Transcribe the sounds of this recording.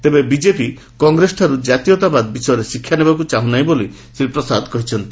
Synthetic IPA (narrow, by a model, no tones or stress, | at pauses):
t̪ebebid͡ʒepi | kɔŋɡɾesʈʰaɾud͡ʒat̪ijɔt̪abad̪bisɔjɔɾesikʰːjanebakut͡ʃaɦũnajboli | sɾipɾɔsad̪ʱkɔɦit͡ʃʰɔnt̪i